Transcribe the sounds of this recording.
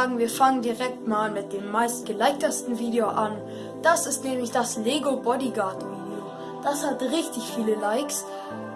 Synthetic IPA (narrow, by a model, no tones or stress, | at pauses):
aːɡŋ̩viːɐfaŋəndiʁɛk̚tmaːlmɪt̚d̥eːmːaɪstɡ̥əlaɪk̚təstn̩viːdeoʔan | d̥asɪstnɛːmlɪçd̥asleːɡobɔdiɡatmido | d̥ashatʁɪçtɪçfiːləlaɪks